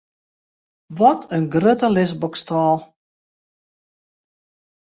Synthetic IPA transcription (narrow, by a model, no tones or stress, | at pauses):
ʋɔtʰənɡrøtəlɪsbɔkstaːlˠ